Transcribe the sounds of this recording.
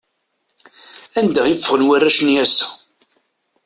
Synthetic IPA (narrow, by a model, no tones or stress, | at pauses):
ænd̪æjəfːəʁənwærːæʃnjæsæ̥